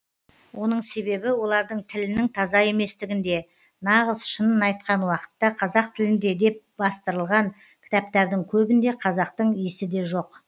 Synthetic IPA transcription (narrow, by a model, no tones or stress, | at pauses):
wo̞nəɴse̞be̞bɪwo̞lˠɑɾd̪əɴt̪ʰɪlɪnɪŋt̪ʰɑzɑe̞me̞st̪ɪɡʲɪnd̪e̞ | nɑʁəzʃənənɑjt̪̚qɑnwɑqə̥t̪ːɑqʰɑzɑq̚t̪ʰɪlɪnd̪e̞d̪e̞p̚bɑst̪əɾəlˠʁɑɴ | kʲʰɪ̥t̪ɑp̚t̪ɑɾd̪əŋkʲʰɵbɪnd̪e̞qʰɑzɑq̚t̪əɴijsɪd̪e̞ʒo̞q